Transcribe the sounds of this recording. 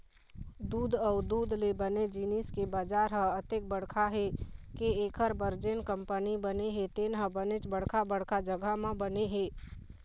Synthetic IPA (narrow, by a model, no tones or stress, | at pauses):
d̪ud̪əʊd̪ud̪lebəned͡ʒiniskebad͡ʒaɾɦə̃ət̪ek̚bəɽkʰaɦekeekʰəɾbəɾd͡ʒenkəmpənibəneɦet̪enɦə̃bənet͡ʃbəɽkʰabəɽkʰad͡ʒəɡəɦmẽbəneɦe